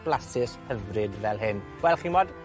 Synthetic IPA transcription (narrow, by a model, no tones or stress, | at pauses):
b̥lˠasɪshəvrɨdvɛlˠɦɪnɡ̥wɛlˠχinmɔd